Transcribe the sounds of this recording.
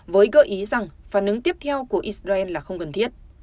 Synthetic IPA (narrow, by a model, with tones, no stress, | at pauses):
vəː˨˦jɣəː˧˩ʔi˨˦za˨˩ŋfaː˧˩nʔɨ˨˦ŋt̪i˦˥əp̚t̪ʰɛ˧wku˧˩əʔi˦˥szaː˧ʔɛ˧nlaː˨˩xə˧wŋ͡mkə˨˩nt̪ʰi˦˥ət̚